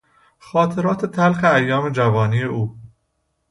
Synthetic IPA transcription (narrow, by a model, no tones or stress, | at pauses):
xɒːt̪ʰe̞ɾɒːt̪ʰe̞t̪ʰælxeæjːɒːme̞d͡ʒævɒːniːje̞ʔuː